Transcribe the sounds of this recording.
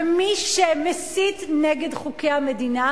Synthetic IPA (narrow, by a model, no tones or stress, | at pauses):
miʃemesitneɡedχukejamedina